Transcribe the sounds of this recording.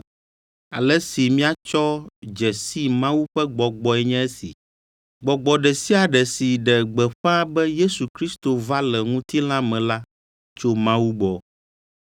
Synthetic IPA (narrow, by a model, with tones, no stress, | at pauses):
a̰˨lɛ˦si˨mĩ˦a˦t͡ʃɔ˦d͡ʒɛ˨si˦mã˦wu˦ɸɛ˦ɡ͡bɔ˨ɡ͡bɔ˨ɛ˨ɲɛ̃˦ɛ˦sḭ˨ | ɡ͡bɔ˨ɡ͡bɔ˨ɖɛ˨si˦a˨ɖɛ˨si˨ɖɛ˨ɡ͡bɛ˨ɸa˦bɛ˦je˦su˨kɾi˦st̪o˨va˦lɛ˨ŋũ˦t̪i˦l̃ã˦mɛ̃˨la˦ | t͡ʃo˦mã˦wu˦ɡ͡bɔ˨